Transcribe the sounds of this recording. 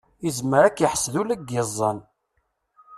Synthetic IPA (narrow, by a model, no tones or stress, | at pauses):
izməɾækjəħsðulæɡezˤːən